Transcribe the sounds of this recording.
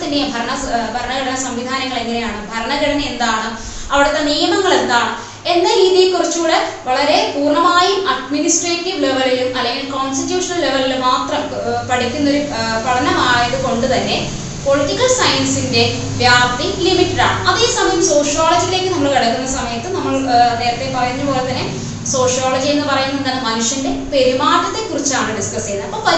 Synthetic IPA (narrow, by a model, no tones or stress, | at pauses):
t̪ːɐndebʱɐɾɐɳɐbʱɐɾɐɳɐɡɐɽɐnɐsɐmʋid̪ʱaːnɐŋːɐɭe̞ŋːinejaːɳɨbʱɐɾɐɳɐɣɐɽɐnɐend̪aːɳɨ | ɐʋiɽɐt̪ːe̞nijɐmɐŋːɐɭe̞nd̪aːɳɨ | e̞nːɐɾiːðijelkurit͡ɕːuːɽeʋɐɭɐɾepuːrɳɐmaːjumʔɐɖminisʈreːʈːiʋleʋɐlilumɐlːeŋɡilkoːnstitjuːʂɐnɐlle̞ʋɐlilmaːt̪rɐm | pɐɽikʲːunːɐo̞ɾupɐɽʰɐnɐmaːɳjɐðɨko̞ɳɖɨt̪ɐnːe̞ | po̞ɭiʈːikːɐɭsɐjɐnsinde̞ | ʋjaːrt̪ilimiʈːɐɽa̰ːɳɨɐðe̞ːsɐmɐjɐmso̞ːʂjoːlɐd͡ʑijile̞ːkːɨnɐmːɐɭkɐɽɐkːunːɐsɐmɐjɐt̪ːɨnɐmːɐɭneːɾɐt̪ːepɐrɐjunːɨpo̞ːle̞t̪ːɐnːe̞ | so̞ːʂjoːɭɐd͡ʑie̞nːɨpɐrɐjunːɐend̪aːnːɨmɐnuʂjɐnde̞pe̞ɾumaːʈːɐt̪ːe̞kurit͡ɕːaːɳɨɖiskɐst͡ɕejnːɐðɐpːopɐ